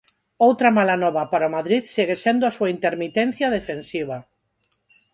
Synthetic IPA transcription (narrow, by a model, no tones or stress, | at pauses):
owt̪ɾamalanɔβapaɾaomaðɾiðseɣesend̪oasuaint̪eɾmit̪en̟θjað̞efensiβ̞a